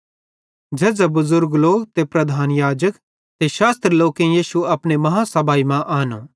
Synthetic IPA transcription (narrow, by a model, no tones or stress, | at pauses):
d͡ʒeːzabʊzʊɾɡloːɡt̪epɾɐd̪ʱaːnjaːd͡ʒək | t̪eʃaːst̪ɾloːkẽjiːʃuɐpɽ̃emɐɦasɐbʱaːimãʔaːnõ̰ː